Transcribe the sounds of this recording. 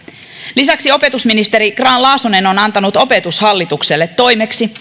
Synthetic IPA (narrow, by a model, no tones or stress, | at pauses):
lisɑksio̞pe̞t̪usminist̪e̞ɾiɡrɑːnlɑːsune̞no̞nɑnt̪ɑnut̪o̞pe̞t̪ushɑlːit̪ukselːe̞t̪ːo̞jme̞ksi